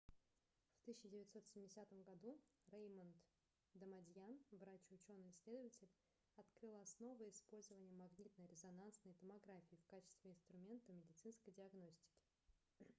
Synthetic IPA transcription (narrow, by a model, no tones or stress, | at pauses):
ft̪ɨɕʲːɪdʲɪvʲɪt̪so̞t̪sʲɪmʲɪdʲɪsʲat̪əmɡɐd̪urejmənt̪ | d̪əmɐdʲjanvɾat͡ɕʊt͡ɕo̞nːɨsʲlʲe̞d̪əvətʲɪlʲ | ɐt̪kɾɨlˠɐsno̞vəɪspo̞lʲzəvənʲɪjəmɐɡnʲit̪nəjɾʲɪzɐnansnəjt̪əmɐɡɾafʲɪːfkat͡ɕɪ̥st̪vʲɪɪnst̪ɾʊmʲe̞nt̪əmʲɪdʲɪt̪sɨnskəjdʲɪɐɡno̞sʲtʲɪ̥kʲɪ̥